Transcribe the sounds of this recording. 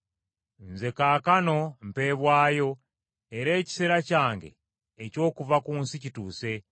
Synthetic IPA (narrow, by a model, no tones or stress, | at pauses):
nze̞kaːkano̞m̩peβwaːjo̞ | eɾeːci̥seɾacaːŋɡḛː | co̞ːkuvakuːnsicitṵːse